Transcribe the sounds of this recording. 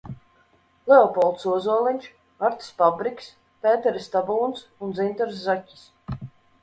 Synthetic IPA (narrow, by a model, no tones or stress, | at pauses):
lɛɔpɔlˠt̪suɔzuɔlˠiɲʲt͡ʃ | aɾt̪i̥spabɾikʲs | pɛːt̪ɛɾist̪abunsunzint̪ɛɾs̬ːacʲːi̥s